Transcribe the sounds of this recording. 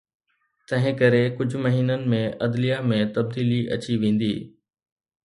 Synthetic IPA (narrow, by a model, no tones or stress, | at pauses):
t̪ɐ̃ɦɪ̃kɐɾekʊd͡ʑʱʊmɐɦiːnənɪ̆mẽʔɐd̪lijamẽt̪ɐb̚d̪iːliʔɐ̰t͡ɕiʋẽːn̆d̪iː